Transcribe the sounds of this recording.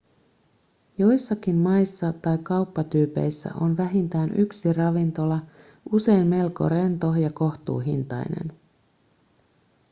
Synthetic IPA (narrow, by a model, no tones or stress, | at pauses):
jo̞jsːɑkimmɑjsːɑt̪ɑjkɑwpːɑt̪yːpe̞̰jsːæ̰ʔo̞nʋæɦint̪æːnʔyksirɑʋint̪o̞lɑ | use̞jnme̞lko̞̰re̞nt̪o̞jɑko̞ht̪ṵːɦḭnt̪ɑ̰jnḛn